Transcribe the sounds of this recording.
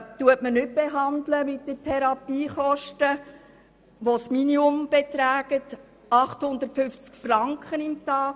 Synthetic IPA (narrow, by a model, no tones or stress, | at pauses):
tuətmənʏt̚b̥eɦɑndləmɪt̚dətʰɛɾɑpiːχɔʃtə | ʋosminiʊmb̥et̪ɾæːɡət | ɑχthʊnd̪əɾtfʏft͡skfrɑŋkχənɪmt̪ɑːk